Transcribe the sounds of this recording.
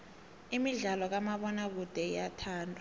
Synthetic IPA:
imiɮalɔk̬amaɓɔnak̬ud̥ʱɛjatʰaːntʰʼa

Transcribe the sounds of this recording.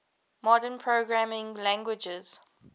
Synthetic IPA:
mɔdə̃npʰɹoɡɹamɪ̃ŋlæ̃ŋɡwɪd͡ʒəz̥

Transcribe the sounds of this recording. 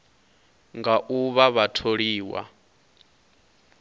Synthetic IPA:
ŋɡaʔuβaβatʰoɺiːwa̰

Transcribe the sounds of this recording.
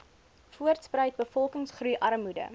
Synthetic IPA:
fuərtsprəjt̚bəfɔlˠkəŋsχrujʔɐɾəmudə̰

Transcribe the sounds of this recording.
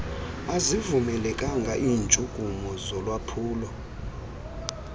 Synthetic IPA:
azivumɛlɛkʼaŋɡʱaʔiːnt͡ʃʼuɡ̥ʼʱumɔzɔlwapʰuːlɔ

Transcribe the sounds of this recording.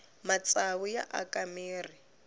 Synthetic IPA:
mat͡sʼaβʊja̰ʔa̰kʼameːri

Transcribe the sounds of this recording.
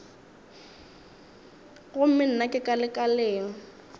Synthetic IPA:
ɣʊm̩mɪn̩nakʼɪkʼalɪkʼaleːŋ̩

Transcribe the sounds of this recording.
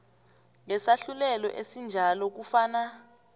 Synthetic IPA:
ŋɛsaɬulɛlɔʔesind͡ʒʱalɔk̬ufaːna

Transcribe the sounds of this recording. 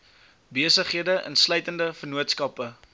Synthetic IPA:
biəsəχiədəʔə̰nslœjtəndəfərnuətskɐpə

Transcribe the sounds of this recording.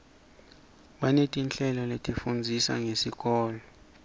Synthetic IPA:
ɓanetʼint͡ɬʼɛlɔletʼifund͡zʱisa̰ŋesik̬ʼɔːlɔ

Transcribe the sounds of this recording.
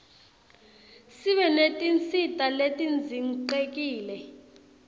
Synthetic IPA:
siɓɛnetʼint͡sʰʼitʼaletʼind͡zʱiŋǃek̬ʼiːlɛ

